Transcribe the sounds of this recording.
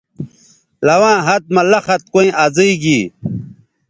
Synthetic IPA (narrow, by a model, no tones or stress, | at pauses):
lɐwãːɦɐt̪̚mɐlɐxɐt̪̚koĩʔaziiɡiː